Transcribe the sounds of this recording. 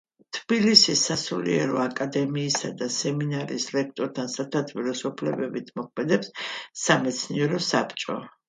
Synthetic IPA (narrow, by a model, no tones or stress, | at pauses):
t̪ʰb̥ilisisasulḭɛɾɔ̰akʼad̪ɛmiːsad̪asɛminaɾḭːsɾɛk̚ʰt̪ʼɔɾt̪ʰansaɾt̪ʰat̪ʰviɾɔsɔpʰlɛbɛbit̪ʰmɔk̚ʰmɛd̪ɛpsːamɛt̪sʰniɛɾɔsapʰt͡ʃʼɔ